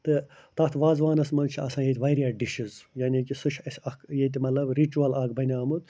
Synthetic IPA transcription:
t̪ɨ | t̪ɐt̪ʰʋaːzʋaːnɐsmɐnt͡ʃʰiɐ̰sãːjet̪ʋaːɾiaɖiʃizjanʲikisuʃʰɐsʲɐkjet̪̬imɐt̪lɐbɾit͡ʃuɐlɐkbɐnʲaːmut̪

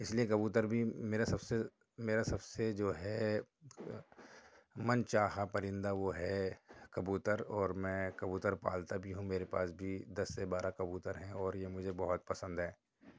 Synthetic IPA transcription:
ɪsliek̬ɐbuːt̪əɾbʱimeːɾasɐbse | meːɾasɐbsed͡ʒoːɦɛ | mɐnt͡ʃaːɦapɐɾɪ̃nd̪aʋoɦɛkɐbuːt̪əɾɔːɾmɛ̃kɐbuːt̪əɾpa̰ːlt̪abʱiɦũmeːɾepa̰ːsbʱid̪ɐsːebaːɾʔakɐbuːt̪əɾɦɛ̃ɔːɾjemʊd͡ʒʱebɐɦʊt̪̚pɐsə̃nd̪ɦɛː

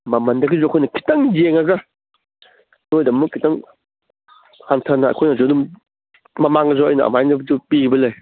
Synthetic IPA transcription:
mamɐndɐɡizɔakʰɔjnɐkʰi̥tɐŋzeŋaɡɐ | dojdɐmːukʰitɐŋ | hantʰanaɐ̰kʰɔjnɐzɔdum | mamaŋɐzɔɐjnɐɐ̰majnɐbdupiɡibɐlɯj

